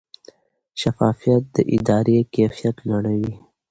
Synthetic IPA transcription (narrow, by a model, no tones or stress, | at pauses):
ʃɐfɑːfijɐt̪̚d̪ə̰ʔɪd̪ɑːɾekeːfijɐt̪lɐɽəwi